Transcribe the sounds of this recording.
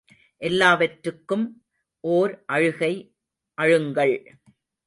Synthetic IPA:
ʔɛlːaːʋɐʈɾɯkːɯm | ʔoːɾʔɐɻɯɣɐɪ | ʔɐɻɯŋɡɐɭ

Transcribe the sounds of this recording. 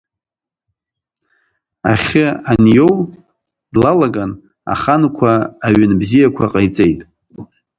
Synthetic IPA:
a̰χʲɪanjow | dlalaɡan | a̰χankʷʰaːɥʏnbzijakʷʰaqʼajt͡sʼe̞jtʼ

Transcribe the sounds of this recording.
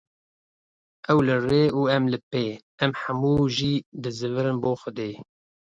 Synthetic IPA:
ʔɛwlɨreːuːɛmlɨpeː | ɛmħamuːʒiːd̪ɨzɨvɨɾɨnboːxʷʊd̪eː

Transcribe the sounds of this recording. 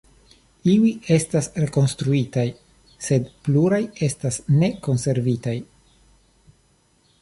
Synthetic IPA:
iwie̞stasɾe̞ko̞nst̪ɾuitaj | se̞dpluɾaje̞stasne̞ko̞nse̞ɾvitaj

